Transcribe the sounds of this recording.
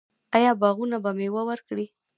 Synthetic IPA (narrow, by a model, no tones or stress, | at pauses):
ajɑbɑɣunabamewəwəɾkɽi